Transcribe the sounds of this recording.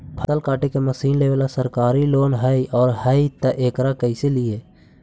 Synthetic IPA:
pʰət̪əlkaːʈekeməsiːnleːʋeːlasəɾkaːɾiloːnɦəiʔɔːɾɦhəit̪əʔeːkɾakəɪselɪe

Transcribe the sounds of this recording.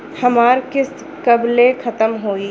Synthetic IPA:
hɐmaːɾkɪs | kɐblekʰɐt̪əmɦoːi

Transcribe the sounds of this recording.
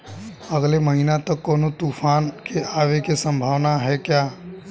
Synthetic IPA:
əɡleməɦinat̪əkːɔːnot̪uːfʰaːnkʰeʔaːʋekesə̃mbʱaːʋnaɦɛkjaː

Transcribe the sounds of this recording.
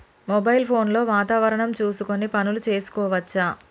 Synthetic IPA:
mɔbɐjilpʰo̞ːnlo̞ːʋaːt̪aːʋɐɾɐɳɐmt͡ʃuːsuko̞nipɐnulut͡ʃe̞ːsu̥kɔːʋɐt͡ʃːaː

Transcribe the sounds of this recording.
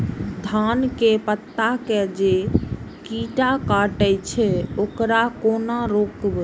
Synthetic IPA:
d̪ʱankepət̪ːaked͡ʒekiʈakaʈəjt͡ʃʰɛokɾakonaɾokb

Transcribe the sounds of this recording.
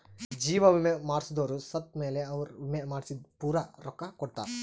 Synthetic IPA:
d͡ʒiːʋɐʋimemaːɽsd̪oːɾusɐt̪̚me̞ːleɐʋɐɾʋimemaːɽsid̪puːɾɐɾɔkːɐkɔʈ̚t̪a̰ːɾ

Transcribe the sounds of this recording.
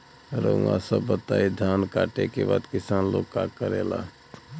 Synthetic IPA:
ɾə̰ã̰səbːət̪aːid̪ʱjankaʈekebaːd̪kɪsaːnlo̰kːakəɾela̰

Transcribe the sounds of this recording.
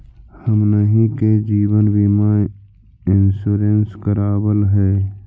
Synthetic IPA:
həmnəɦĩked͡ʒiːwənbimaː | ɪnsuɾenskəɾaːbəlɦɛː

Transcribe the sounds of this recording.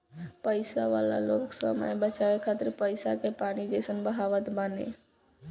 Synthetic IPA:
pəɪsaʋaːla̰loːksəmə̰jbət͡ʃaʋekʰaːt̪ɪɾpəɪsakepaːnid͡ʒəɪsənbəɦaːʋət̪banḛ

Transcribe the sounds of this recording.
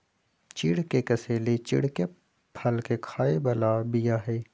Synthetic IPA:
t͡ʃɪɽkekɐseːlet͡ʃɪ̰ɽke | pʰɐlkekʰaːebɐlabijaɦɛː

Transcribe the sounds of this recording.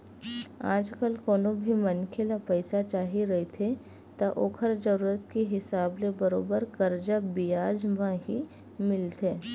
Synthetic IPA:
a̰ːd͡ʒkəlkoːnobʱimɐnkʰelapɛɪsat͡ʃaːɦiɾɐɦit̪ʰe | t̪aʔoːkʰəɾd͡ʒɐɾuːɾət̪kiɦɪsaːblebɐɾoːbəɾkɐɾd͡ʒabijaːd͡ʒmãɦi | mɪlt̪ʰeː

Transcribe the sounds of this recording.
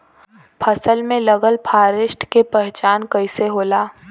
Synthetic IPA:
pʰɐsəlmẽləɡəlpʰaːɾɪʃʈkepɛɦt͡ʃaːnkəɪseɦoːlaː

